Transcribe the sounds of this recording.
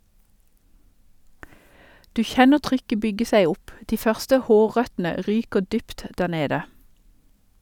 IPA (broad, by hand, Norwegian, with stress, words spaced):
ˈdʉː ˈçɛnə ˈtʁʏkə ˈbʏɡə ˈsæɪ ˈʊp ˈdiː ˈfœʁstə ˈhoːˌʁœtn̩ə ˈʁyːkəʁ ˈdyːpt ˈdæːʁ ˈneːdə